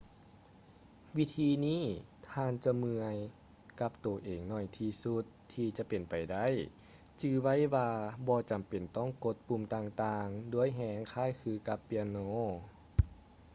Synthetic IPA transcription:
wi˧˥t̪ʰiː˧niː˥˨t̪ʰaː˧˨nt͡ɕa˧mɯ˧əj | ka˧˥p̚t̪o˨˩ʔeː˨˩ŋnɔː˧˩jt̪ʰiː˧su˧˦˥t̪ʰːiː˧t͡ɕa˧˦pe˨˩npa˨˩jda˥˩˨j | t͡ɕɯː˧wa˥˩˨jwaː˧bɔː˧t͡ɕa˨˩mpe˨˩nt̪ɔː˥˩˨ŋko˧˥t̪̚pu˧˩˨mt̪aː˧ŋt̪aː˧ŋdu˧˥əjɦɛː˧˥ŋkʰaː˧˥˨jkʰɯː˧˩ka˧˦pːi˧ə˧noː˧˥˨

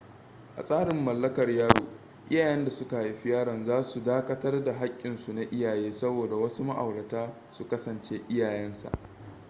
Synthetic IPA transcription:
ʔa̰˨sʼaː˦ɽɪ˨mːɐ˨lːɐ˦kɐ˨rjaː˦ɽo̰ː˨ | ʔɪ˦jaː˨jɛ˦nda˨sʊ˦ka˨i˦ɸɪ˦jaː˦ɽɐ˨nzaː˦su˨daː˦kɐ˦tɐ˦rda˨ɦa˦kʲʼːɪ˨nsu˨na˨ʔɪ˦jaː˨jeː˦sɐ˦boː˨da˨wɐ˦su˦ma˦ʔa˨wɽɐ˨taː˦ | su˨kɐ˦sɐ˨nt͡ʃeː˦ʔɪ˦jaː˨jɛ˦nsa̰˨ʔ

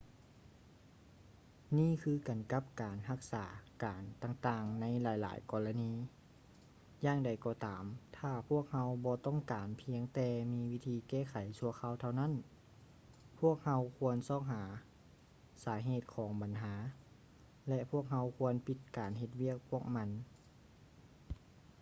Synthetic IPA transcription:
niː˧˥˨kʰɯː˧ka˨˩nka˧˦˥p̚kaː˨˩nɦa˧˥k̚saː˩˦kaː˨˩nt̪aː˧ŋt̪aː˧ŋna˧˥jlaː˨˦jla̰ː˨˦jkɔː˧˩la˧niː˧˥ | jaː˧˥ŋda˨˩jkɔː˧t̪aː˨mt̪ʰaː˧˩pʰu˥˩ək̚ha˧˥wbɔː˧t̪ɔ˧˥˩ŋkaː˨˩npʰi˧˥əŋt̪ɛː˧miː˧˥wi˦˧˥t̪ʰiː˧kɛː˧˩˨kʰa˨˩jsu˧ɐəkʰa˧˥wt̪ʰa˧wna˧˥˨n | pʰu˥˩ək̚ha˧wkʰu˧˥ənsɔː˧˩k̚ɦaː˩˦ | saː˨˩˦ɦeː˧˩t̪̚kʰɔː˩˦ŋba˨˩nɦaː˩˦ | lɛ˧ʔpʰu˥˩ək̚ɦa˧˥wkʰu˧˥˧ənpi˧˥t̪̚kaː˨nɦe˧t̪̚wi˥˩ək̚pʰu˥˩ək̚ma˧˥n

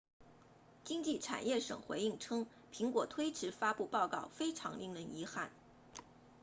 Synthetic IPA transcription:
t͡ɕi˥ŋt͡ɕi˥˩ʈ͡ʂʰa̰˨˩njɛ˥˩ʂɤ̰˨˩ŋxwe˧˥ɪi˥˩ŋʈ͡ʂʰɤ˥ŋ | pʰi˧˥ŋkwɔ˨˩t̪ʰwe˥ɪʈ͡ʂʰɻ̩˧˥fa˥pu˥˧pɑ˥˧ʊkɑ˥˩ʊfe˥ɪʈ͡ʂʰɑ̰˧˥ŋlḭ˥˩ŋɻə˧˥ni˧˥xa̰˥˩n

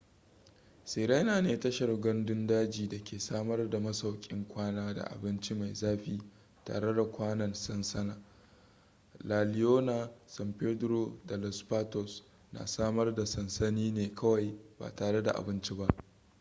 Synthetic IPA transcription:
se˨ɾa˦naː˨neː˨tɐ˦ʃɐ˨rɡɐ˦ndʊ˦ndaː˦d͡ʒiː˨da˨kʲʰeː˨saː˦mɐ˦rda˨mɐ˦sɐ˨wkʲʼɪ˦ŋkʷaː˦naː˦da̰˨ʔa̰˨bɪ˦nt͡ʃi˦ma˨jzaː˦ɸiː˦ | ta̰ː˨ɽe˦da˨kʷaː˦nɐ˨nsɐ˦nsɐ˦naː˨ | laː˨lɪ˦joː˦na˨sɐ˨mpe˦dɾo˦da˨lɔ˨spaː˦tɔ˨s | na̰ː˨saː˦mɐ˦rda˨sɐ˨nsɐ˦niː˦neː˨kʰɐ˦wa˨jba̰ː˨taː˨ɽe˦da̰˨ʔa̰˨bɪ˦nt͡ʃi˦ba˦ʔ

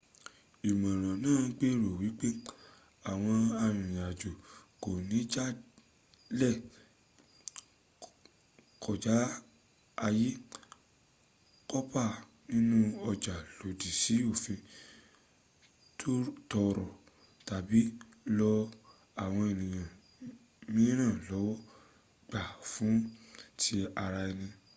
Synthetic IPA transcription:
i˨mã˨ɾ̃ã˨nãː˦˨˦k͡pe˦ɾo˨wi˨˦k͡pe˦ | a˨w̃ɔ̃˧a˧j̃ĩ˨j̃a˨d͡ʒo˨ko˨nĩ˨˦d͡ʒa˦ | lɛ˦˨ | kʰɔ˨d͡ʒa˨˦ | a˧ji˦ | kɔ˦pa˦˨ | nĩ˦nũ˦ɔ˧d͡ʒa˨lo˨di˨si˨˦o˦˨fẽ˧ | tʰo˦tɔ˧ɾɔ˨ | ta˨bi˨˦ | lɔ˧ | a˨w̃ɔ̃˧e˨nĩ˨j̃ã˨ | mĩ˦ɾã˦˨lɔ˨˦wɔ˦ | ɡ͡ba˨fũ˨˦tʰi˧˦a˧ɾa˧i˧nĩ˧

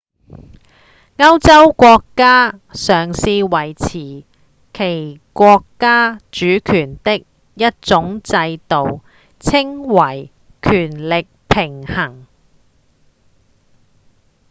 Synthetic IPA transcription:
ŋɐ˥wt͡sɐ˥wkʷɔː˧kːaː˥ | sœː˨˩ŋsiː˧wɐ˨˩jt͡sʰiː˨˩ | kʰe˨˩jkʷɔː˧kːaː˥t͡ʃyː˨˥kʰyː˨˩nt̪ɪ˥k̚ | jɐ˥t̚t͡sʊ˨˥ŋt͡sɐ˧jt̪o˨w | t͡sʰɪ˥ŋwɐ˨˩j | kʰyː˨˩nlɪ˨k̚pʰɪ˨˩ŋhɐ˨˩ŋ

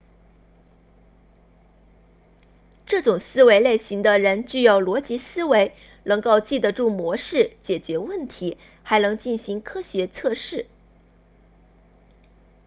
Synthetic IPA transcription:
ʈ͡ʂɤ˥˩ʈ͡ʂʊ˨˩ŋsɹ̩˥we˧˥ɪle˥˩ɪɕi˧˥ŋd̪ə˧ɻə˧˥nt͡ɕy˥˧jɑ˥˩ʊlwɔ˧˥t͡ɕi˧˥sɹ̩˥we˧˥ɪ | nɤ˧˥ŋko˥˧ʊt͡ɕi˥˩d̪ə˩ʈ͡ʂu˥˩mwɔ˧˥ʂɻ̩˥˩t͡ɕjɛ˨˩t͡ɕɥɛ˧˥wə˥˩nt̪ʰi˧˥ | xa˧˥ɪnɤ˧˥ŋt͡ɕi˥˩nɕi˧˥ŋkʰɤ˥ɕɥɛ˧˥t͡sʰɤ˥˧ʂɻ̩˥˩

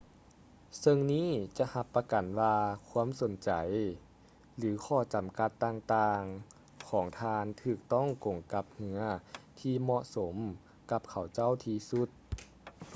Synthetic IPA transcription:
sɤ˧ŋniː˥˩˨t͡ɕa˧ha˧pːa˧ka˨˩nwaː˧kʰu˧˥ə˨mso˨˦nt͡ɕa˨˩j | lɯː˩˦kʰɔː˧˩t͡ɕa˨˩˦mka˧t̪ːaː˧ŋt̪aː˧ŋ | kʰɔː˩˦ŋt̪ʰaː˧nt̪ʰɯː˧˩k̚t̪ɔ˥˩˨ŋkoː˨˩ŋka˧˥p̚hɯ˧ɐt̪ʰiː˧mɔ˧ʔso˩˦m | ka˧˥p̚kʰa˨˩wt͡ɕa˥˩˨wt̪ʰiː˧su˧˥t̪̚

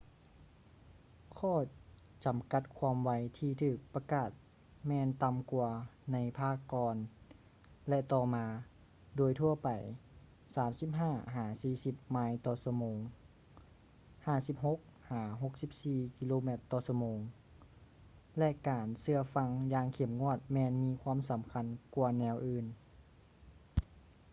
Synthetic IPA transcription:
kʰɔː˧˩ | t͡ɕa˨˩mka˧˩t̪̚kʰwaː˧˥mwa˧jt̪ʰiː˧t̪ʰɯː˧˩k̚pa˧kaː˧˩t̪̚ | mɛː˧nt̪a˧mku˧ɐna˧˥jpʰaː˧˥˩kːɔː˧n | lɛ˧t̪ɔː˧maː˧ | doː˨˩jt̪ʰu˧ɐpa˨˩j | saː˨˦msi˧˦p̚ɦaː˧˥˩ɦaː˨˩˦siː˧˩si˧˦p̚maː˧˥jt̪ɔː˧su˧moː˨˧ŋ | haː˧˩si˧˦p̚ho˧˥k̚haː˩˦ɦo˧˦k̚si˧˦p̚siː˧ki˧loː˧me˧˩t̪ːɔː˧˩sa˧moː˨ŋ | lɛ˧ʔkaː˨˩nsɯ˧ɐfa˧ŋjaː˧ŋkʰe˨˩mŋu˧˥˩ət̪̚mɛː˧nmiː˧˥kʰwaː˧˥˨msa˨˦mkʰa˧˥˨nku˧˩ɐnɛː˧wʔɯː˧n

